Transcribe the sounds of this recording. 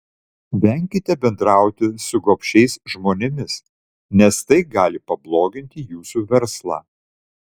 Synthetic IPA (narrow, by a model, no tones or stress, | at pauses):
ʋʲɛˑŋʲkʲɪt̪ʲɛbʲɛnd̪ɾɑˑʊt̪ʲɪsʊɡoːpʲʃʲɛɪsʒmoːnʲɛmʲɪs | nʲɛst̪ɐɪɡɑːlʲɪpɐblˠoːɡʲɪnʲt̪ʲɪjuːsuʋʲɛɾslˠɑ̰ː